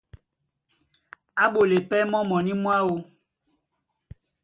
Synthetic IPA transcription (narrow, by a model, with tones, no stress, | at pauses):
a˦ɓo˨le˨pɛ˦mɔ̃˦mɔ̃˨nĩ˦mũ˦a˦wo˦